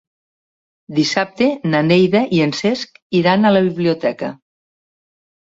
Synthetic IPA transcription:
d̪isap̚t̪enanejðaʔienseskiɾanələβiβliot̪ɛkə

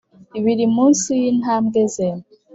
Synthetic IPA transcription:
iβiɾimunsujinhamɡezen

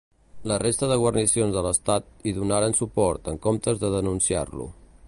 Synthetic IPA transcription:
lərest̪əðəɣwəɾrnisionzðələst̪at̪̚iðunaɾənsupɔɾt̪əŋkomt̪əzðəðənunsia̰rlṵ

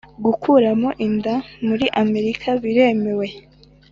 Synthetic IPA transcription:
ɡukʰuɾamo̞ʔindamuɾiʔame̞ɾikʰaβiɾe̞me̞we̞

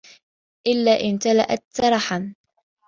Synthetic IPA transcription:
ʔɪlːaːʔɪnt̪ala̰ʔat̪ːɑɾˤɑħan

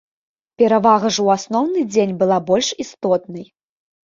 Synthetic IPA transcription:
pʲɛɾavaɣɐʐwasnɔwnɨd͡zʲenʲbɨlˠabɔlʲʂist̪ɔt̪̚nɐj

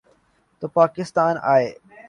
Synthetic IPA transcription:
t̪oːpaːkɪst̪aːna̰ːɦeː

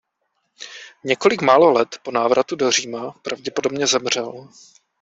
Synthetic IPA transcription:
ɲɛko̞lɪkmaːlo̞lɛt̪po̞naːvɾʔat̪udo̞r̝iːmapɾavɟɛpo̞do̞bɲɛzɛmr̝̥ɛl

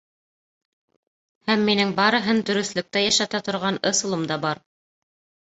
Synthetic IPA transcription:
hæmːinɘŋbɑɾɤ̆ɦɤnd̪ɵ̆ɾɵ̆θlɵ̆k̚t̪æjæʃæt̪æt̪ŏɾʁɑnɤ̆sŭlˠɤmd̪ɑbɑɾ

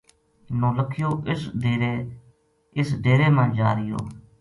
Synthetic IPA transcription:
nõːləkʰɪjoːʔɪseɾe | ɪsd̪eːɾeːmãːd͡ʒaːɾɪjo̰ː

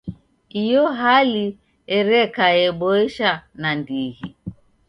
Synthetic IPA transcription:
ijɔɦali | ɛɾɛkaɛɓɔɛʃanandihi

